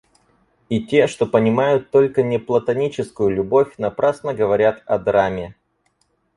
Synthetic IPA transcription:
itʲe̞ʂt̪o̞pənʲɪmajʊt̪ːo̞lʲkənʲɪplˠət̪ɐnʲit͡ɕɪskʊjʊlʲʊbo̞fʲnɐpɾasnəɡəvɐɾʲat̪ɐd̪ɾamʲɪ

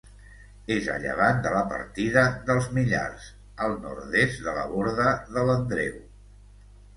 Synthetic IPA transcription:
ezə̰ʎə̰βand̪ələpə̰ɾt̪iðəðəlˠzmiʎa̰rs | əlˠnɔ̰ɾt̪ezd̪ələ̰βoɾðəðələnd̪ɾew

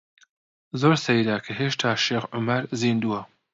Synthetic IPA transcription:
zoːɾsɐjd̪aːkʰɐɦeːʃt̪ʰaːʃeːxʕʊmɐɾziːnd̪uwɐ

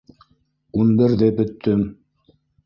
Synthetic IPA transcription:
unbɘ̆ɾðɘbɵ̆t̪ʰːɵm

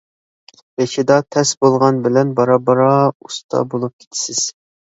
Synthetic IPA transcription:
bet͡ʃʰid̪ɑt̪ʰɛsbolˠʁɑnbɪlɛnbɑɾɑbɑɾɑust̪ʰɑ̰bolˠup̚kʲʰe̥t̪ʰɪ̥sɪz̥

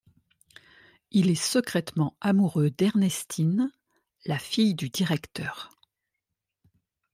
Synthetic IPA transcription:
ilɛsəkχɛt̪mɑ̃amuʁød̪ɛʁnɛst̪ʰin | lafijd̪yd̪iʁɛkt̪œːʁ

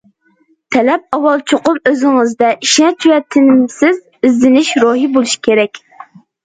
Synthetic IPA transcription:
t̪ʰɛlɛp̚ɑwɑlˠt͡ʃʰoqʊmøzɪŋɨzd̪ɛʔiʃnɛt͡ʃ̪ʰywɛt̪ʰɪnɪmsɪz | izːɪnɪʃɾoɦibolˠuʃi̥kʲʰeɾɛkʲ

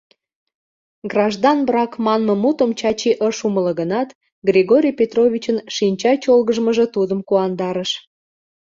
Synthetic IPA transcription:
ɡrɑʒd̪ɑnbɾɑkmɑnmə̆mut̪əmt͡ɕɑt͡ɕiʔəʃumələ̆ɣənɑt̪ | ɡrʲiɣoɾʲijpʲet̪rovʲit͡ɕənʃinʲt͡ɕɑt͡ɕolɣəʒməʒə̆t̪ud̪əmkuɑnd̪ɑɾəʃ

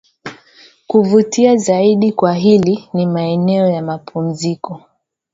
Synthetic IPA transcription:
kuvutiazaiɗikwaɦilinimaɛnɛɔjamapʰum̩zikɔ

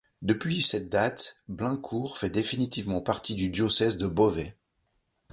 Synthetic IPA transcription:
d̪əpɥisɛt̪̚d̪at̪blɛ̃kʰuʁfɛd̪efinit̪ivmɑ̃paʁt̪id̪yd̪jɔsɛzd̪əbɔvɛ

